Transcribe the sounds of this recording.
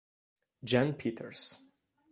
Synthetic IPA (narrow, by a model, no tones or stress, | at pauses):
d͡ʒãnpʰitʰəɹs